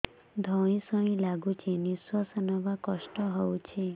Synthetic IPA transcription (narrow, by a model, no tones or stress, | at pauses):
d̪ʱɔɽ̃ĩsɔĩlaɡut͡ʃʰeniswɔsɔnɔʋakɔʃʈɔɦowt͡ʃʰe